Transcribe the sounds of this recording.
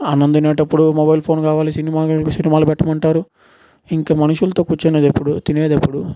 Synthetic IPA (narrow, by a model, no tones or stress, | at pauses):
ɐnɐnd̪ineːʈɐpːuɽumobɐjlpʰo̞ːnkaːʋaːlisinimaːkusinimaːlubɛʈːɐmɐɳʈaːɾu | iŋkaːmɐnuʂulɐt̪o̞ːkuːt͡ʃːeneːd̪ɐpːuɽut̪ineːd̪ɐpːuɽu